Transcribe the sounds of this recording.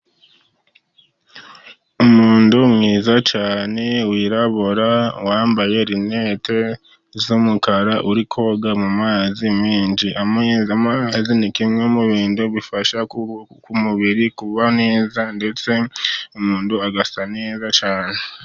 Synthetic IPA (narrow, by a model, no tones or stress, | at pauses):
umuːndumŋiːzat͡ʃaːne̞wiːɾaβoɾawaːmbaje̞ɾine̞te̞ | zumukaɾaʔuɾikʰo̞ɡamumaːzimiːnd͡ʒiʔaamazinikimŋemuβiːnduβifaʃakumuβiɾikuβane̞ːzande̞t͡se̞umuːnduaɡasaneːzat͡ʃaːne